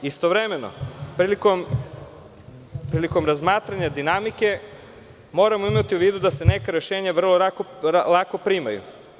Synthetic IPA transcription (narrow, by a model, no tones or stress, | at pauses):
ist̪o̞ʋɾe̞me̞no̰pɾilikom | pɾiːliko̞mɾazmaːt̪ɾaɲad̪inamike̞ | mo̞ːɾamoimat̪iuʋiːd̪ud̪ase̞ne̞kaɾe̞ʃeːɲaʋr̩loɾakoalˠako̞pɾima̰jṵ